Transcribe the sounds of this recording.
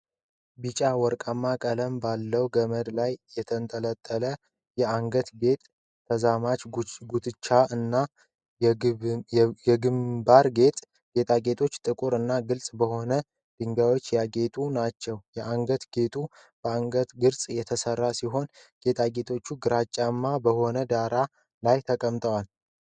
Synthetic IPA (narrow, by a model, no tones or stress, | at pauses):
bɨt͡ʃʼawɔɾkʼəmːakʼələmbalːəwɡəməd̪lajːɛt̪ʰənt̪ʼələt̪ʼːələ | jɛaŋɡət̪ɡe̞t̪ʼːʰ | əzamat͡ʃɡut̪ɨt͡ʃːaɨnːa | jɛɡɨmbaɾɡe̞t̪ʼ | ɡ̥e̞t̪ʰʼaɡe̞t̪ʰo̞t͡ʃːt̪ʼɨkʼuɾɨnːaɡɨlsʼbəho̞nə | d̪̥ɨŋɡawo̞t͡ʃːjaɡe̞t̪ʼunat͡ʃːɛwjɛʔaŋɡət̪ɡ̥e̞t̪ʰʼu | b̥əaŋɡət̪ɡɨɾsʼjɛt̪ʰəsərːasiɦo̞n | ɡ̥e̞t̪ʼʰaɡe̞t̪ʰo̞t͡ʃːuɡɨɾat͡ʃʼːamːabəho̞nəd̪aɾa | lajt̪ʰəkʼəmt̪ʼəwal